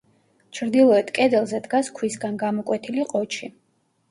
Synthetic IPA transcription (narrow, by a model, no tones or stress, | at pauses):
t͡ʃʰɾd̪ilˠɔɛt̪ʰkʼɛd̪ɛlˠzɛd̪ɡaskʰwisɡanɡamɔkʼwɛt̪ʰiliqʼɔt͡ʃʰi